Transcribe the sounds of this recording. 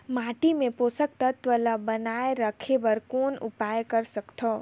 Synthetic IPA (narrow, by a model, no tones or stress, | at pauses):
maːʈimẽpoːsək̚t̪ət̪ʋəlabɐnaːeɾəkʰebəɾkoːnʊ̰paːjkɐɾsɐkt̪ʰoː